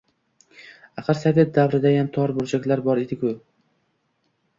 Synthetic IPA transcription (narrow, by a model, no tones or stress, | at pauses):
aqʰɨɾsave̞t̪̚d̪avɾɪd̪ajamt̪ʰɒɾbʊɾt͡ʃʰakʲlaɾbɒɾed̪ɪkʲʰʊ